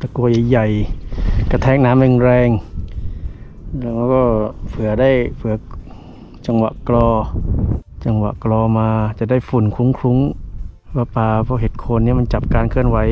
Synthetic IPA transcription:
t̪a˧ku˧əja˨˩jja˨˩j | ka˧˩t̪ʰɛː˧˥˩ŋ̚naː˨˦˥mɯ˧ŋɾɛː˧ŋ | lɛː˦˧˩ma˧˦kɔː˧˥˩pʰɯ˨˩˦ɐda˥˩jpʰɯ˨˩˦ɐ˦ | t͡ɕa˧ŋwa̰˨ʔklɔː˧ | t͡ɕa˧ŋwa̰˨˧˨ʔklɔː˧maː˧t͡ɕa˨˩da˥˩jfu˨˩nkʰu˧˦ŋkʰɾu˧˦˥ŋ | pa˧˩paː˧pʰɔː˧˩ɦe˨˦t̪̚kʰo˧nːiː˧˥˩ma˧nt͡ɕa˨˩p̚kaː˧nkʰɯ˧˥˩ənwa˨˦j

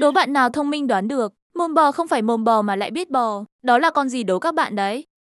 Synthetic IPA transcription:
ɗo˨˦ɓa̰ː˧˨nːaː˨˩wt̪ʰə˧wŋ͡mmï˧ŋɗwaː˨˦nɗɨ˨˩ək̚mo˨˩nɓɔ˨˩xə˧wŋ͡mfaː˧˩jmo˨˩nɓɔ˨˩maː˨˩la̰ː˧˨jɓi˦˥ət̚ɓɔ˨˩ɗɔ˨˦laː˨˩kɔ˧nzi˨˩ɗo˨˦kaː˦˥k̚ɓa̰ː˧˨nɗə˨˦j

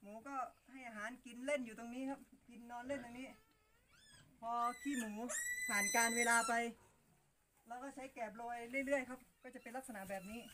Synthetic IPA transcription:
muː˩˦kɔː˥˩ha˥˩jʔaː˧˩ɦaː˩˦nki˧nle˥˩njuː˨˩t̪o˧ŋniː˦˥kʰa˦˥p̚ki˧nːɔː˧nle˥˩nt̪o˧niː˦˥ | pʰɔː˧k̪ʰiː˧˥˩muː˩˦pʰaː˨˩nkaː˧nweː˧laː˧pa˧j | lɛː˦˥wkɔː˥˩t͡ɕʰa˦˥jkɛː˨˩p̚loː˧jlɯ˥˩əjlɯ˥˩əjkʰa˦˥˩p̚kɔː˥˩t͡ɕa˨˩ʔpe˧nla˦˥k̚sa˧na˧˥bɛː˨˩p̚niː˦˥

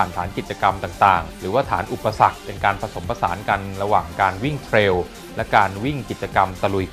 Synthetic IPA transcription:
aː˨˩nt̪ʰaː˩˦nki˨˩t̪̚t͡ɕa˧ka˧mt̪aː˨˩ŋt̪aː˨˩ŋɾɯː˩˦waː˥˩t̪ʰaː˩˦nʔu˨˩pːa˧sa˨˩k̚pe˧nkaː˧npʰɾa˧so˩˦mpʰa˧sa̰ː˩˦nka˧nɾa˧waː˨˩ŋkaː˧nwi˥˩ŋt̪ʰɾeː˧w | lɛ˦˥kaː˧nwi˥˩ŋki˨˩t̪̚t͡ɕa˧ka˧mt̪a˧lu˨˧j

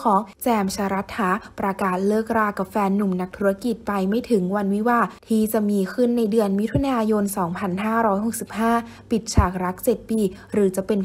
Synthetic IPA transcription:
kʰɔː˨˩˦ŋt͡ɕɛː˧mt͡ɕʰaː˧ɾa˦˥t̪̚haː˩˦pɾa˧kaː˨˩t̪̚lɤː˥˩k̚ɾaː˥˩kːa˨˩p̚fɛː˧nːu˨˩mna˦˥k̚t̪ʰu˦˥a˧ki˨˩t̪̚pa˧jma˥˩jt̪ʰɯ˩˦ŋwa˧nwi˦˥waː˧˩t̪ʰiː˥˩t͡ɕa˨˩ʔmiː˧kʰɯ˥˩nːa˧jdɯ˧ənmi˦˥t̪ʰu˧naː˧jo˧nsɔː˩˦ŋpʰa˧nɦaː˥˩ɾɔː˦˥jɦo˨˩k̚si˨˩p̚haː˥˩ | pi˨˩t̪̚t͡ɕʰaː˨˩k̚ɾa˦˥k̚t͡ɕe˨˩t̪̚piː˧˩ | ɾɯː˩˦t͡ɕa˨˩pe˧n

